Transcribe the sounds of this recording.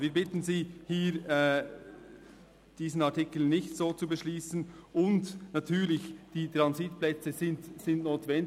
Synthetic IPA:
viːbɪtn̩ziːhiːɾ | d̥iːzn̩ɑɐtɪkl̩nɪçtz̥oːt͡subəʃliːsn̩ʔʊntnɑtʰyːɾlɪçd̥iːtʁɑnzitplɛt͡səzɪntsɪntnoːtvɛn

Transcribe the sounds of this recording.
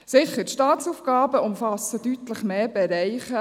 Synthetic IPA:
sɪχətʃtɑːt̪t͡suːfɡ̥ɑːbəʊmfɑsəd̥yt̪ləχmeːbɛɾɛɪχə

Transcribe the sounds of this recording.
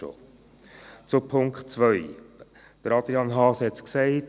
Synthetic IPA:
o̰ | t͡sʊpʰʊŋkχtt͡svʋœʏ | d̪̥əɾɑd̪ɾiɑnɦɑːshɛtsksɛɪt

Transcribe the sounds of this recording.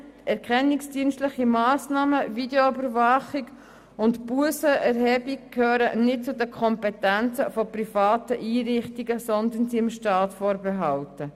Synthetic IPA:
ɛɾkʰχɛnːɪksd̥iənstlɪχimaːsnɑːməvideoybəɾvɑχiɡ | ʊntbuəsəɛɾhɛːbikkʰhøːɾə̰nɪt̚t͡sʊdəkʰɔmpɛtænt͡səfɔprifɑːtəʔiːɾɪχtiɡəsɔnd̪ənsimʃtɑːtfɔːɾbɛɦɑltə

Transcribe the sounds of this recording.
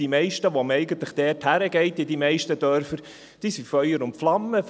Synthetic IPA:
imɛɪʃtəʋomɛɪɡən̩t̪ləχd̥ɛːthæɾəɡɛɪtɪdimɛɪʃtəd̥œɾfəɾ | d̥isifœʏəɾʊntflɑmːəf

